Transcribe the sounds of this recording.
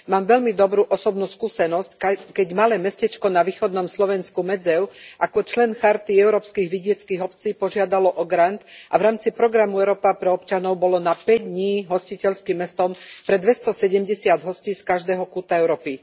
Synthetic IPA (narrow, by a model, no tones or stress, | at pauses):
maːmʋɛʎmid̪ɔbɾuːʔɔsɔbnuːskuːsɛnɔsckɛɟmalɛːmɛscɛt͡ʃkɔnaʋiːxɔd̪nɔmslɔʋɛnskumɛd͡zɛʊʔakɔt͡ʃlɛnxaɾt̪iɛʊɾɔːpskiːɣʋiɟɪɛt͡skiːɣɔpt͡siːpɔʒɪad̪alɔʔɔɡɾant̪ʔavɾaːmt͡sipɾɔɡɾamuɛɾɔːpapɾɛɔpt͡ʃanɔʊbɔlɔnapɛɟd̪ɲiːɦɔscicɛʎskimːɛst̪ɔmpɾɛd̪ʋɛst̪ɔsɛɟɛmɟɛsɪad̪ɦɔsciːskaʒd̪ɛːɦɔkuːt̪aɛʊɾɔːpi